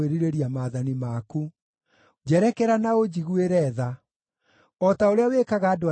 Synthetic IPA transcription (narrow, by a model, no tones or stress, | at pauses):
eɾiɾeɾiamaðanimaku | d͡ʑɛɾɛkɛɾanaod͡ʑiɣweɾɛða | ɔtaoɾeawekaɣaːdoa